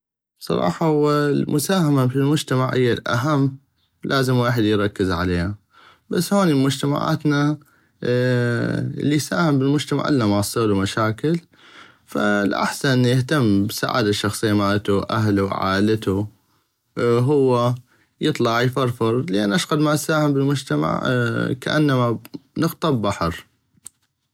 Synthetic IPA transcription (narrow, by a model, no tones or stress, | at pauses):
sˤɑ̰ɾˤɑ̰ːħɑhʊwːalmʊsaːhamabəlmʊd͡ʒt̪amaʕhɪjːalʔa̰ɦamː | lʔaːzɪmwaːħəd̪jɾˤɑkːɪzʕa̰leːha | basːhoːnimʊd͡ʒt̪ama̰ʕa̰ːt̪na | lːisaːhɪmbɪlmʊd͡ʒt̪ama̰ʕʔɪlːamaʕsˤːeːlwmaʃaːkɪl | fa̰lʔa̰ħsanʔənːjɪht̪amːbsa̰ʕa̰ːd̪aʃːɑxsˤɨjːamaːlat̪uʔa̰ɦluwʕa̰ːlat̪u | ɦʊwːa | jɨt̪ˤlɑʕjfɑɾˤfɨɾˤlʔanːʔaʃɣɑd̪maʔsaːhɪmbɪlmʊd͡ʒt̪ama̰ʕka̰ʔa̰nːamanɨɣt̪ˤɑbbaħɑɾ